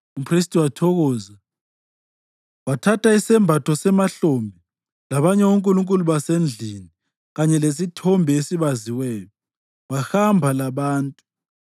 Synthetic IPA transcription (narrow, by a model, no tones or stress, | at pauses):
upʰris̬tʼiwatʰɔɣɔːza | watʰatʰaisɛmbʱatʰɔsɛmaɬombʱi | laβaɲɛwoŋkʼuluŋkʼuluβasend͡ɮʱini | ɣaɲɛlesitʰɔmbʱɛesiβaziwɛːjɔ | waxambʱalaβaːntʼu̥